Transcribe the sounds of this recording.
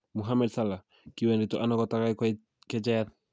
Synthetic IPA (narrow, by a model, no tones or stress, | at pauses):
muɦamɛdsala | kiwɛnɾit̪ɔʔanɔkɔtakajk | kɛd͡ʒɛt̚